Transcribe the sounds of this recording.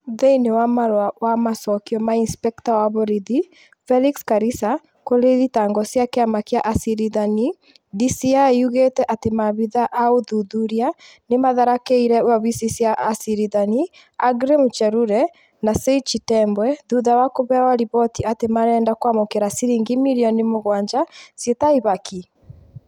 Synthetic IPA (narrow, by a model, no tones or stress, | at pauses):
ðeinewamaɾwawamasɔkiɔmainspɛktawaβoɾiði | fɛlikskaɾisa | koɾeðitaŋɡɔsjakeamakiaʔasiɾiðani | disiaiuɣetɛʔatemaβiðaʔaoðuðuɾia | nemaðaɾakeiɾɛwaβisisjaʔasiɾiðani | aɡɾemut͡ʃɛɾuɾɛ | naseit͡ʃitɛmbwɛðuðawakoβɛwaɾiβɔtiatemaɾɛːndakwamokeɾasiɾiŋɡimiɾiɔnimoɣwaɲd͡ʒasjetaiβaki